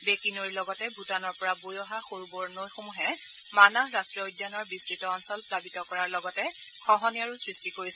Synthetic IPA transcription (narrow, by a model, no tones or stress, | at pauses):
bekinoɹilɔɡɔtɛbʱutanɔɹpɔɹabojɔɦaxoɹubɔɹnojxomuɦɛ | manaɹastɹiojdjanɔɹbistɹitɔːnsɔlpɹabitɔkɔɹaɹlɔɡɔtɛ | xɔɦɔniaɹusɹistikoɹis